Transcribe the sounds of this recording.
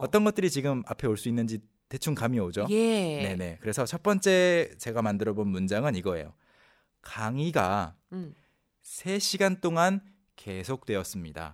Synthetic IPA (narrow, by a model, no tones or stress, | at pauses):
ʌt͈ʌnɡʌt͈ɯɾit͡ɕiɡɯmapʰe̞oɭs͈uinːɯnd͡ʑi | te̞t͡ɕʰuŋkamiʌod͡ʑojene̞ne̞kɯɾe̞sʰʌt͡ɕʰʌt̚p͈ʌnt͡ɕ͈e̞t͡ɕe̞ɡamandɯɾʌbonmund͡ʑaŋɯniɡʌḛjo̰ | kaŋiɡa̰ | sʰe̞ɕʰiɡant͈oŋan | ke̞sʰok̚t͈we̞ʌs͈ɯmɲida̰